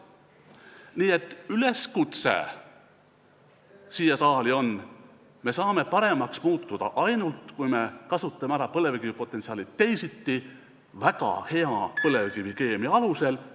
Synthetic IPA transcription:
niːe̞t̪ːˑyle̞skut̪sḛ | siːjesɑːlio̞n | me̞sɑːme̞pɑɾe̞mɑksmuːt̪ːˑud̪̥ɑ̰ʔɑjnult̪kujme̞kɑsut̪ːˑɑmeæɾɑpɤle̞vekivipo̞t̪ːˑensiɑːlit̪ːe̞jsit̪ːi | vækɑ̰he̞ɑpɤle̞vkivike̞ːmiɑluse̞l

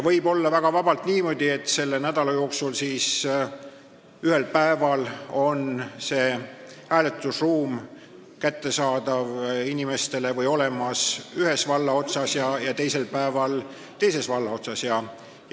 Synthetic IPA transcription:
vɤjbo̞lːɑvæɡ̥ɑvɑbɑlt̪niːmo̞d̪̥ʲie̞t̪ːse̞lːenæd̪̥ɑlɑjo̞ːksulsiːs | yhelpæe̞vɑlo̞nse̞ː | hæːle̞t̪ːˑusruːm | kæt̪ːe̞sɑːd̪ɑvinime̞st̪e̞le̞vɤjo̞lemɑsyhe̞svɑlːɑo̞t̪sɑsjɑjɑt̪e̞jse̞lpæevɑl | t̪e̞jse̞svɑlːɑo̞t̪sɑsjɑ

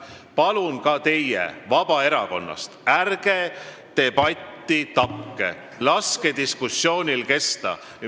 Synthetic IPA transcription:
pɑlunkɑt̪e̞jːḛvɑb̥ɑe̞ɾɑko̞̰nːɑ̰st̪ærɡ̥e̞ | t̪e̞pɑt̪ːˑit̪ɑkːḛ | lɑske̞d̪iskusːjo̞ːnʲilke̞st̪ɑ̰

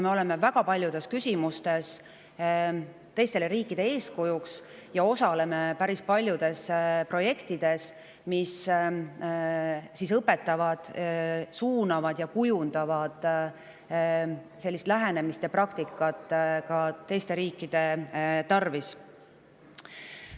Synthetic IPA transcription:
me̞o̞le̞me̞væɡ̥ɑpɑlʲjud̪̥e̞skysʲimust̪e̞s | t̪e̞jst̪e̞leɾiːkːˑid̪̥e̞e̞ːskujuks | jɑo̞sɑle̞me̞pæɾispɑlʲjud̪̥e̞spro̞je̞kt̪id̪̥e̞s | mis | sisɤpːe̞t̪ːˑɑvɑd̪̥suːnɑvɑd̪̥jɑkujund̪̥ɑvɑd̪̥ | se̞lːist̪læɦene̞mist̪jɑprɑkt̪ikːˑɑt̪ːˑkɑt̪ːe̞jst̪e̞ɾiːkːˑid̪̥e̞t̪ɑrvis

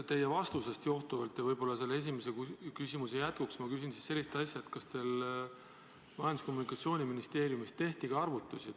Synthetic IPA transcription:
t̪e̞jevɑst̪use̞st̪jo̞ht̪uvɑlt̪jɑvɤjbo̞lːɑse̞lːee̞s̬ʲimesekukysʲimus̬ejæt̪̚kuksmɑkys̬insi̥sːe̞lːist̪ɑsʲjɑet̪kɑst̪e̞l | vɑjɑnd̪u̥sko̞mːunikˑɑt̪sio̞ːnʲiminist̪e̞ːɾijumist̪ːe̞ht̪iɡ̥ɑɑrvut̪ːˑusi

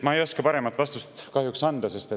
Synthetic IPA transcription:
t̪mɑejo̞skɑpɑɾe̞mɑt̪ˑvɑst̪ust̪kɑhjuksɑnd̪̥ɑse̞st̪e

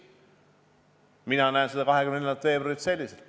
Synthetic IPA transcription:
minɑnæensed̪ɑkɑɦekymnelːenɑt̪fe̞ːbrɑɾit̪se̞lʲːiselt̪

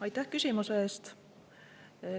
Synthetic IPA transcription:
ɑjt̪ːæhkysʲimuseeːst̪

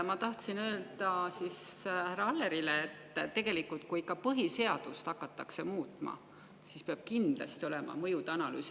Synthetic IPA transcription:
mɑt̪ɑht̪sinø̞ːld̪ɑsishæɾɑɑlːe̞ɾileːt̪ːt̪ːe̞ɡ̥e̞likːult̪̚kuikːˑɑpɤɦise̞ɑd̪̥ust̪ɑkːˑɑt̪ːɑkse̞muːt̪ˑmɑ̰ | sispeɑb̥̚kind̪̥lɑ̰st̪io̞lemɑ̰mɤjud̪ɑnɑly̰ːs

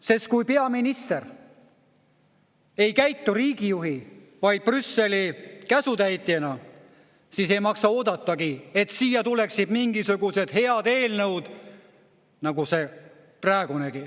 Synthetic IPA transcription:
sest̪̚kujpe̞ɑminist̪er | e̞jkæjt̪ːuɾiːɡ̥ijuɦi | vɑjd̪̥̚prysːe̞likæsut̪æjt̪ːˑienɑ | siːse̞jmɑksɑo̞ːd̪̥ɑt̪ˑːɑɡie̞t̪siːjɑt̪ule̞ksid̪̥miŋɡisuɡ̥use̞d̪̥he̞ɑd̪e̞ːlnɤwd̪̥ | nɑɡuse̞ | prɑeɡ̥uneɡi

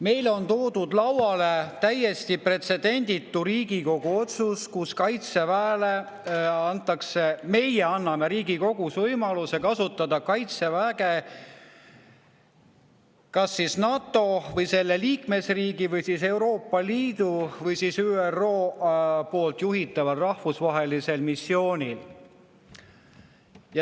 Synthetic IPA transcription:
me̞jlo̞nt̪oːd̪ud̪̥lɑwwɑle̞t̪æje̞st̪ipre̞t̪se̞d̪e̞nʲd̪̥ʲit̪ːuɾiːɡiko̞ɡ̥uo̞t̪suskuskɑjt̪se̞væːle | ɑnt̪ˑːɑkse̞me̞jeɑnːɑme̞ɾiːɡiko̞ɡ̥usvɤjmɑluse̞kɑsut̪ːˑɑd̪ɑkɑjt̪sevæːɡe | kɑsːisnɑt̪ˑːo̞vɤjse̞lːe̞liːkme̞sriːɡivɤjsise̞wɾo̞ːpːɑliːd̪̥uvɤjsisyːero̞ːpo̞ːlt̪ˑjuɦit̪ːˑɑvɑlrɑhfusvɑɦe̞lise̞lmisːio̞ːnʲil | jɑ

